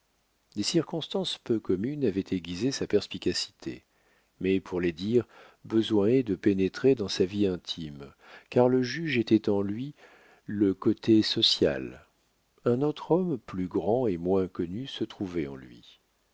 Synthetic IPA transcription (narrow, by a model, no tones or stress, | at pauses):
d̪esiʁkɔ̃st̪ɑ̃spøkɔmynavɛt̪ʰeɡʲizesapɛʁspikʲasi̥t̪ʰḛ | mɛpʰuʁled̪iʁ | bəzwɛ̃ɛd̪əpenet̪χed̪ɑ̃saviɛ̃t̪ʰim | kaʁləʒyʒet̪ɛt̪ɑ̃lɥi | ləkɔt̪ʰesɔsja̰l | ɛ̃not̪χɔmplyɡʁɑ̃emwɛ̃kɔnysət̪χuvɛɑ̰̃lɥḭ